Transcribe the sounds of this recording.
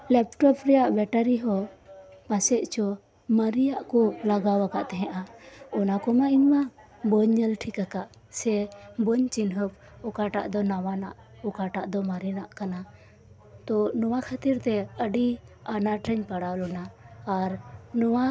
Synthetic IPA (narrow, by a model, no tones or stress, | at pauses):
lɛp̚ʈɔpɾɛjaʔbɛʈəɾiɦɔpasɛʔt͡ʃɔ | məɾijaʔkɔlaɡawakaʔt̪ɛɦɛ̃ʔaɔnakɔmaiɲma | bɔɲːəlʈʰikakaʔ | sɛbɔɲt͡ʃinɦəp̚ | ɔkaʈa̰ʔd̪ɔnawanaʔ | ɔkaʈaʔd̪ɔmaɾinaʔkana | t̪ɔnɔwakʰat̪iɾt̪ɛəɖi | anaʈɾɛɲpaɽalɔnaːɾnɔwa